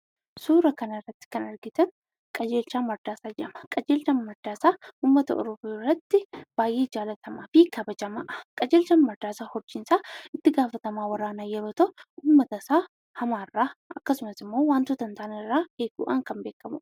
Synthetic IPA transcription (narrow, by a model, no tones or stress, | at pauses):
suːɾɐkɐnɐrːɐt̪ːɪ̥kɐnɐɾɡɪt̪ɐn | kʼɐd͡ʒe̞ːlt͡ʃaːmːɐɾd̪aːsaːd͡ʒɛʔɐmɐ̥kʼɐd͡ʒe̞ːlt͡ʃɐmmɐɾd̪aːsaːuːmːɐt̪ɐ̰ʔɔ̰ɾɔborːɐt̪ːɪb̥aːjʔːeːd͡ʒaːlɐt̪ʰɐmaːfikɐbɐd͡ʒɐmɐʔkʼɐd͡ʒeːlt͡ʃɐnmɐɾd̪aːsaːhɔd͡ʒːɪnsaːɪt̪ːɪɡaːfɐt̪ɐmaːwɐɾaːnaːjɛɾoːt̪ɐʔuːmːɐt̪ɐsaː | hɐmaːrːaːɐkːɐsʊmɐsɪmːo̞ːwaːnt̪ut̪ɐnt̪aːnɪrːaːʔeːɡṵːʔaːŋkɐmbe̞ːkːɐmʊ̰